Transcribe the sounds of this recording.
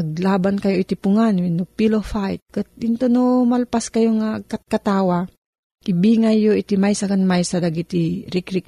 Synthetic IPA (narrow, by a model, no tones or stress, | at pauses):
aɡ̚laːbankajoʔit̪ipʊŋanwinupilofajt̪̚kat̪̚ɪnt̪onomalpaskajoŋaɡ̚kat̪̚kat̪awa | ʔibiŋajːoʔit̪imajsakanmajsad̪aɡit̪iɾikɾik̚